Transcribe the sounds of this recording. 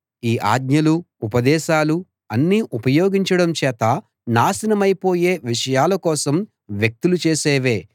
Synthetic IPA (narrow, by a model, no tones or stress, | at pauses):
iːʔa̰ːɡɲɐlu | upɐd̪ɛːʃaːlu | ɐnːiːʔupɐjoːɡiɲt͡ʃɐɽɐmt͡ʃɛːt̪ɐ | naːsɐnɐmɐjpo̞ːje̞ːʋiʂɐjaːlɐkɔːsɐm | ʋjɐk̚t̪ulut͡ʃeːsɛːʋeː